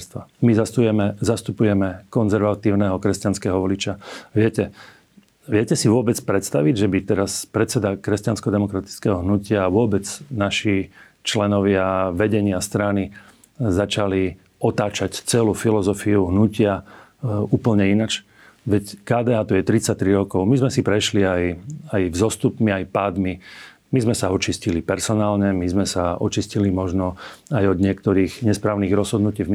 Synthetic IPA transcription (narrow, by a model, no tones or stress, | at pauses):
st̪ʋa̰mizast̪ujɛmɛzast̪upujɛmɛkɔnzɛɾʋat̪iːʊnɛɦɔkɾɛscanskɛɦɔʋɔlit͡ʃaʋɪɛcɛ | ʋɪɛcɛsiʋʊɔbɛtt͡spɾɛt̪st̪aʋiɟʒɛbit̪ɛɾaspɾɛt̪t͡sɛd̪akɾɛscanskɔd̪ɛmɔkɾat̪i̥t͡skɛɦɔɦnucɪaːʋʊɔbɛt͡snaʃi | t͡ʃlɛnɔʋɪaʋɛɟɛɲɪast̪ɾani | zat͡ʃali | ɔt̪aːt͡ʃact͡sɛluːfilɔzɔfiuɦnucɪa | uːpl̩ɲɛinat͡ʃ | ʋɛckaːd̪ɛːaːt̪ujɛt̪ɾit͡sac̚t̪ɾiɾɔkɔʊmizmɛsipɾɛʃliajajvzɔst̪upmiajpaːd̪mi | mizmɛsaɔt͡ʃiscilipɛɾsɔnaːlɲɛmizmɛsaɔt͡ʃiscilimɔʒnɔajɔd̪ɲɪɛkt̪ɔɾiːɣɲɛspɾaːʊniːɣɾɔzɦɔd̪nuciːvm